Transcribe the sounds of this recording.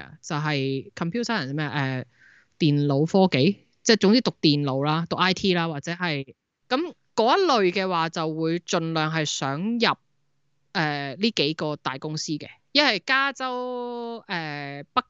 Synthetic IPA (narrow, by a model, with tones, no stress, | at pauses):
t͡sɐ˨wɦɐ˨jkʰɐ˨mpʰjuː˥t̪ʰaː˥a˨˩mɛː˥˨ʔɛː˨ | t̪iː˨nlo˨˧wfɔː˥ke˨˥j | t͡sɛː˥˩t͡sʊ˧˥ŋt͡siː˥t̪ʊ˨k̚t̪iː˨˩nlo˨˧˥wlaː˥t̪ʊ˨kʔaː˥jt̪ʰiː˥laː˥waː˨t̚t͡sɛː˨˥ɦɐ˨j | kɐ˨˥m | kɔː˨˥jɐ˥t̚lɵ˨ɥkɛː˧waː˨t͡sɐ˨wwuː˨˧jt͡ʃɵ˨nlœː˨ŋɦɐ˨jsœː˨˥ŋjɐ˨p̚ | ʔɛː˨liː˥ke˨˥jkɔː˧t̪aː˨jkʊ˥ŋsiː˥kɛ̰ː˧jɐ˥nhɐ˨jkaː˥t͡sɐ˥w | ɛː˨˩pɐ˥k̚